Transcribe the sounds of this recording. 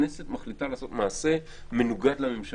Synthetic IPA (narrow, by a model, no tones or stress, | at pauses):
neset̪maχlitalaːso̞t̪maːse̞ | me̞nuɡad̪lamemʃ